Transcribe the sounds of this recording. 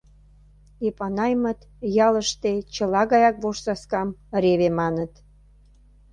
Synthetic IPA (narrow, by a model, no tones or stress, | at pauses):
epɑnɑjmət̪ | jɑləʃt̪et͡ɕəlɑɣɑjɑk̚βoʃsɑskɑmɾeβemɑnət̪